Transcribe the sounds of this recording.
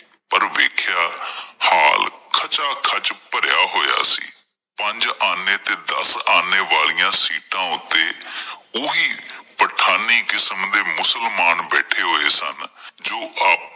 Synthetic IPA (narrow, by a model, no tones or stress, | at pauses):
pəɾʋeːkʰjaːhaːlkʰət͡ʃaːkʰət͡ʃpəɾjaːɦoːja̰ːsḭː | pəɲd͡ʒaːneːt̪eːd̪əsaːneːʋaːlijãːsiːʈãːʊt̪ːeːoːiːpəʈʰaːniːkɪsəmd̪eːmʊsəlmaːnbɛːʈʰeːɦoːeːsə̰nd͡ʒoːʔaːp̚